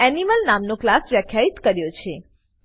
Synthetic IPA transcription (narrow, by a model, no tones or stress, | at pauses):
ɛniməlnamnoklasʋjəkʰjait̪kəɾjot͡ʃʰe